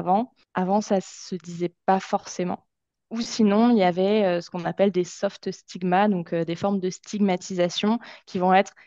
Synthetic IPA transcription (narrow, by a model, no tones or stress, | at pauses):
vɑ̃ | avɑ̃sasəd̪izɛpafɔʁsemɑ̰̃ | usinɔ̃iljavɛøsə̥kɔ̃napɛld̪esɔft̪st̪iɡmad̪ɔ̃kød̪efɔʁmd̪əst̪ʰiɡmat̪ʰizasjɔ̃kʲivɔ̃ɛt̪χ